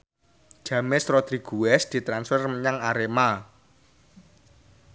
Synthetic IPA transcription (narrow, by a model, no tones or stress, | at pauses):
ʒ̥ä̤mɪsrɔd̪̥ɾiɡ̥uwɛsd̪̥i̤t̪ɾansfɛrməɲaŋaɾema